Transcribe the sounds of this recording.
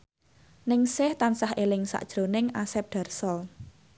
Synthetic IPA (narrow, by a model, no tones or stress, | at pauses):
nɪŋsɪht̪ansahʔelɪŋsa̰ʔd̥ʒ̥ɾonɪŋasɛp̚ɖ̥a̤rsɔl